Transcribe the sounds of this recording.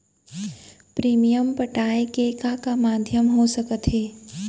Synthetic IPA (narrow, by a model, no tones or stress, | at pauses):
pɾiːmijəmpəʈaːekekakamaːd̪ʱjəmɦosəkət̪ɦeː